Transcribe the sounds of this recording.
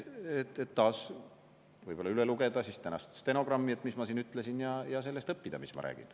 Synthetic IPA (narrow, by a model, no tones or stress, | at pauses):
et̪ːˑet̪ːɑːs | vɤjb̥o̞lːɑyleluɡ̥ed̪̥ɑsist̪ænɑ̰st̪st̪eno̞ɡ̥rɑmːiet̪mismɑsiːnyt̪ːˑlesinjɑjɑs̬e̞lːe̞st̪ɤpːid̪̥ɑmismɑ̰ɾæ̰ːɡ̥ḭn